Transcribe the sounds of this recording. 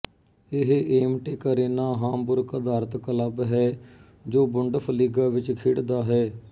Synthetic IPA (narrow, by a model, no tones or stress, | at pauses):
ɪɦeːmʈeːkəɾeːnaːɦaːmpʊɾkəd̪aːɾət̪kələbɦɛː | d͡ʒoːbʊɳɖəpʰəliːɡaːʋɪt͡ʃkʰɪɽd̪aːɦɛː